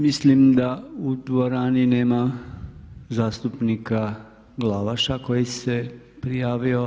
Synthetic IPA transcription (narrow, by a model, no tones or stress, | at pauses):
mislimd̪aud̪ʋoɾaːnineːma | zaːst̪upnika | ɡlaʋaʃako̞jise | pɾijaːʋio